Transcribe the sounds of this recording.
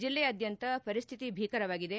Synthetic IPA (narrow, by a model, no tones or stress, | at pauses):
d͡ʒilːeɐd̪jɐnt̪ɐpɐɾist̪ʰit̪ibʱiːkɐɾɐʋaːɡid̪e̞